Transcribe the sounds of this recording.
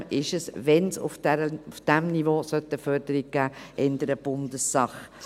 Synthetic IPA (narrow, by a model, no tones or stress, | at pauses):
ʔɪʃəsʋɛnsʊ̰fdɛɾəufd̥æmnivoːsœt̪ːəfœɾd̪əɾiɡ̚ɡ̥æːʔɛnd̪əɾəb̥ʊnd̪əsːɑχ